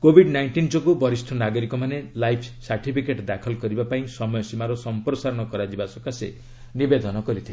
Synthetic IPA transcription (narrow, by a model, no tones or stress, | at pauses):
kobʱiɖnajɳʈind͡ʒɔkubɔɾist̪ʰɔnaɡɔɾikɔmanelajpʰsaɾʈipʰikeʈd̪akʰɔlkɔɾibapaĩsɔmɔjɔsimaɾɔsɔmpɾɔsaɾɔɽ̃ɔkɔɾad͡ʒibasɔkasḛ | nibed̪ɔnɔkɔɾit̪ʰile